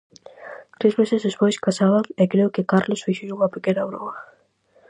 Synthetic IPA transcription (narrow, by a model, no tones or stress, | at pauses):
t̪ɾezmesezðespojskasaβaŋekɾeʊkɪkaɾlosfiʃeɾuŋapekenaβɾo̰ɐ